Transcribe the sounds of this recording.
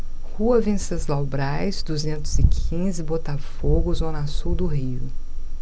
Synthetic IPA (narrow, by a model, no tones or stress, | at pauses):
huɐvĩsɐzlawbɾajzd̪uzẽnt̪ʊzɪkʰĩzɪbot̪afoɡʊzõnasuwd̪ʊɦiʊ